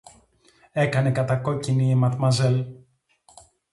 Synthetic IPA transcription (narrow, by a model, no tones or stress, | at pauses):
e̞kɐne̞kɐt̪ɐko̞ciniimɐt̪mɐzel